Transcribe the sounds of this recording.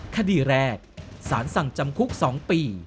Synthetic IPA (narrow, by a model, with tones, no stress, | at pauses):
kʰa˧diː˨˩ɾɛː˧˩k̚saː˩˦nsa˨˩ŋt͡ɕa˧mkʰu˦˥k̚sɔː˩˦ŋpiː˧˩